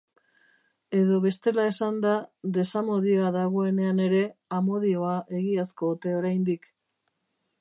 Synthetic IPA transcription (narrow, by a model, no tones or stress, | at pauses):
e̞ðo̞βe̞st̪e̞lae̞sand̪aðe̞samo̞ðio̞aðaɣ̞o̞e̞ne̞ane̞ɾe̞amo̞ðio̞aʔe̞ɣiasko̞ut̪e̞o̞ɾajnd̪ik